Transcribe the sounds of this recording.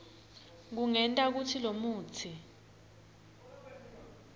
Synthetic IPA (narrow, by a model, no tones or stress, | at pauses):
k̬uŋɛntʼak̬utʰilomuːt͡sʰi